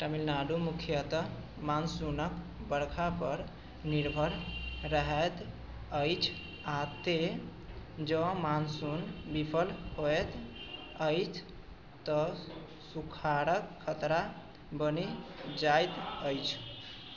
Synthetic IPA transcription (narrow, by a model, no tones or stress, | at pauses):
ʈəmilnaɖumukʰjət̪ | mansunək | bəɽkʰapəɾ | niɾbʱəɾɾəɦət̪ | əjt͡ʃʰ | at̪e | d͡ʒə̃mansunbipʰəlhoet̪ | əjt͡ʃʰ | t̪ə | sukʰaɾəkkʰːət̪ɾa | bənid͡ʒajt̪əjt͡ʃʰ